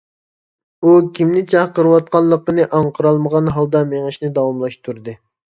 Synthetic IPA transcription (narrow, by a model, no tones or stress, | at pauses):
ukʲʰimnɪt͡ʃʰɑqəɾɨwɑt̪̚qɑnlˠːəqːənɨʔɑɴqʰəɾɑlˠməʁɑnɦɑlˠd̪ɑmeŋɨʃnɪd̪ɑwɑmlˠɑʃt̪ʰuɾd̪ɨ